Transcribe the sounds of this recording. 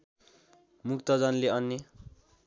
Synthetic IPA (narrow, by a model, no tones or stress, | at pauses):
muk̚t̪ʌd͡zʌnleʌnːe